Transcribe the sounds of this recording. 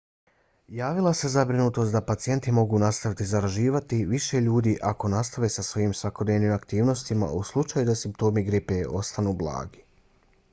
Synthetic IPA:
jaːʋilˠase̞zabɾinut̪o̞st̪d̪apat̪sije̞nt̪imo̞ɡuːnast̪aʋit̪izaɾaʒiːʋat̪iʋiʃe̞ʎuːd̪iʔako̞nast̪aʋesasʋo̞jiːmsʋako̞d̪neʋnimakt̪iːʋno̞st̪ima̰ʔuslˠut͡ʃajud̪asimp̚t̪o̞ːmiɡɾipeo̞st̪anuːblˠa̰ːɡi̥

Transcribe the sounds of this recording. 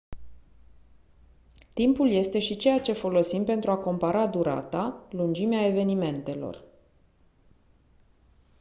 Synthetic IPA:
t̪impulje̞st̪e̞ʃit͡ʃe̞jat͡ʃe̞fo̞lo̞simpe̞nt̪ɾuako̞mpaɾad̪uɾa̰t̪alund͡ʒimeae̞ve̞nime̞nt̪e̞lo̞̰r

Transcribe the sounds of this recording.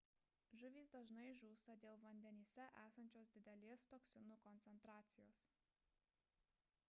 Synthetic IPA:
ʒʊʋʲiːsd̪ɐʒnɐɪʒuːst̪ɐd̪ʲeːlˠʋɐnʲd̪ʲɛnʲiːsʲɛʔæːsɐnʲt͡ʃʲoːs̬d̪ʲɪd̪ʲɛlʲeːst̪oːksʲɪnʊkɔnʲt̪sʲɛnt̪ɾɑːt̪sʲɪjoːs

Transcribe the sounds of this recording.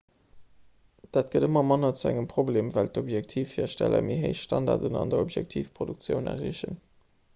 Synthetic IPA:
d̥aːt̚ɡ̥ədəmɐmɑnɐt͡suæŋəmpʁ̥obleːmvæltobjæk̚tʰiːfhiːɐʃtælʔɐ̰meɦeɪʃʃtɑndɑ̰ʁdənɑ̰ndɐobjæk̚tʰiːfpʁ̥oduk̚t͡sjəʊnæ̰ʁiəɕən

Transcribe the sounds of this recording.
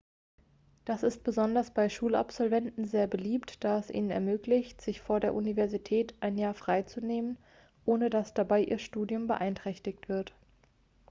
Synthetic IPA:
d̥asɪst̚b̥əzɔndɐsb̥aɪʃuːla̰pz̥ɔlvɛntn̩zeːɐbəliːptd̥aːɛsʔḭːnənɛ̰ɐmøːklɪçtz̥ɪçfoːɐdeːɐʔunivɛɐzitʰɛːtʔaɪnjaːɐfʁ̥aɪt͡suneːmən | ʔoːnədasd̥abaɪʔiːɐʃtuːdjʊmbə̰ʔaɪntʁ̥ɛçtɪçtv̥ɪɐt

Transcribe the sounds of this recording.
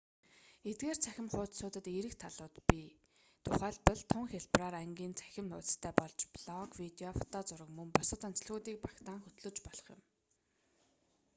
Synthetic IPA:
et̪̚ɡeːrt͡sʰæxʲɪ̆mχʊːt̪sʊːt̪ə̆t̪eɾɘ̆kt̪ʰaɮʊːt̪pʲi | t̪ʰʊχæːɮpə̆ɮt̪ʰʊŋxʲeɮpraːɾæŋɡʲiːnt͡sʰæ̥xʲɪ̆mnʊːtt͡st̪ʰæːpɔɮt͡ɕpɮɔkwit̪eɔfɔ̥t̪ɔːt͡sʊɾə̆kmɵŋpɔsə̆t̪an̥t͡sə̆ɮɣuːt̪iːk̚pakt̪aːŋxɵt̪ɮɵ̆t͡ɕpɔɮɞ̆χjʊ̰̆m

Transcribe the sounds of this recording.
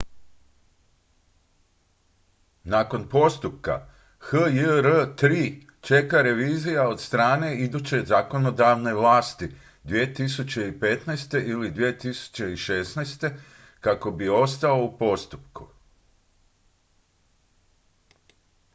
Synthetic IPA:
nako̞npo̞st̪upka̰ | xəjəɾət̪ɾiː | t͡ʃe̞kaɾe̞ʋiːzijao̞d̪st̪ɾaːne̞id̪ut͡ɕe̞zako̞no̞d̪aʋne̞ʋlaːst̪i | d̪ʋiet̪isut͡ɕe̞ipe̞t̪najst̪e̞ʔilid̪ʋiet̪isu̥t͡ɕe̞iʃe̞snajst̪e̞ | kako̞bio̞st̪ao̞upo̞st̪upku

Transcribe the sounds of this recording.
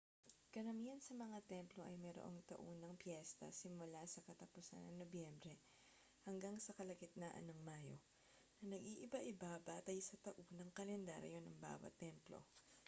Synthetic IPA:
kɐɾɐmihɐnsɐmɐŋat̪ɛmplo̞ʔɐjmɛɾoʔo̞ŋt̪ɐ̰ʔonɐŋpjɛst̪ɐ̰sɪmʊlasɐkɐt̪ɐpʊsa̰nːɐŋnobjɛmbɾɛ | hɐŋɡaŋsɐkɐlɐkɪt̪̚nɐʔɐ̰nɐŋmaːjo̞̰ | nɐnɐɡʔiʔɪbaʔɪbabaːt̪ɐjsɐt̪ɐʔonɐŋkɐlɛnd̪a̰ɾ̰jo̞nɐŋba̰ːwɐ̰t̪ːɛmplo̰

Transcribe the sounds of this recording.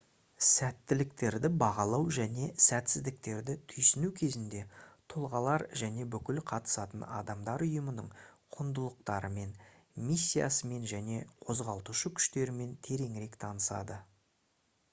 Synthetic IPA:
sæt̪ːɪlɪk̚t̪e̞ɾd̪ɪbɑʁɑlˠɑwʒæne̞sæt̪sɪzd̪ɪk̚t̪e̞ɾd̪ɪt̪ʰʏjsɪnukʲʰe̞zɪnd̪e̞t̪ʰolˠʁɑlˠɑɾʒæne̞bʏkʲɪlqʰɑt̪ə̥sɑt̪ənɑ̰d̪ɑmd̪ɑɾʊjəmənəɴqʰʊnd̪əlˠəq̚t̪ɑɾəme̞n | misʲːijɑ̰səme̞nʒæne̞qʰo̞zʁɑlˠt̪uʃəkʲʰʏ̥ʃt̪e̞ɾɪme̞nt̪ʰe̞ɾe̞ŋɪɾe̞kt̪ʰɑnəsɑ̰d̪ə

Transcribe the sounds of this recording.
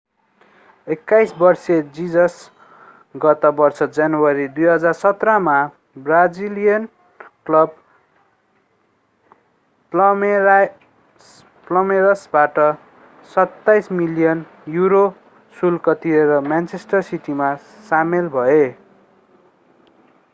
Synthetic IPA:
ekːajsbʌrsed͡zid͡zʌs | ɡʌt̪ʌbʌrt͡sʰʌd͡zanwʌɾid̪ujɦʌd͡zarsʌt̪rʌma | brad͡zilijʌn | klʌb̚ | plʌmeɾʌsbaʈʌ | sʌt̪ːajsmilijʌn | juɾo | sulkʌt̪ieɾʌmjant͡sʰesʈʌrsiʈima | samelbʱʌe

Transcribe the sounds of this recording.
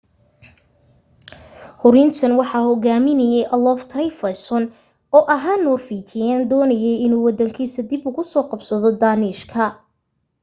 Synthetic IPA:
hʊɾɪnt̪ʰɐnwɑħɑːhɔɣaːmɪnɐjɛjʔɐlɔft̪ʰrɛjfɐsɔn | ɔːʔɐɦaːnːɔːrfiːt͡ʃɪjaːnd̪ɔːnɐjɛjɪnuːwɑd̪ɐŋkʰiːsɐd̪ɪbʊɣʊsɔːqɑbsɐðɔd̪aːnɪʃkʰɐ

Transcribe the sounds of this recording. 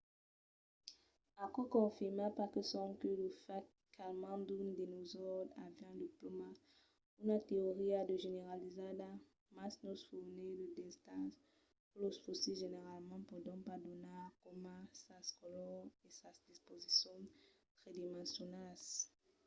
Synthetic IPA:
akɔkɔ̃fiʁmapakəsɔ̃mkələfa | kʰalmãd̪und̪inozɔd̪a̰vɛɛ̃d̪iploma | unat̪eoʁiad̪əʒeneʁalizada | masnɔsfunedədɛst̪ɑ̃s | ulosfosiʒeneʁalmɑ̃pɔd̪ɔ̃pad̪onakɔmãsaskɔlɔesasd̪ispozisjɔ̃ | t̪ʁed̪imɑ̃sjonas

